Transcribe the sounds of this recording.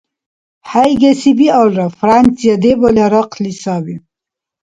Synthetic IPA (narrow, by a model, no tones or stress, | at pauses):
hajɡesibiɔlɾafɾant͡sijad̪ebɔlaɾɔqʰlisɑbi